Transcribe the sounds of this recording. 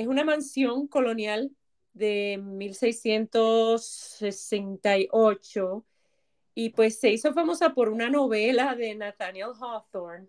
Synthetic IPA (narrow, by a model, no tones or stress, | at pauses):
esunamãnsjo̞ŋko̞lo̞njal | d̪e̞milse̞jsje̞nt̪o̞sːesent̪ajʔo̞t͡ʃo̞ | ipwe̞sːe̞iso̞famo̞sapo̞ɾunano̞βe̞laðe̞nat̪anjelɦaθoɾn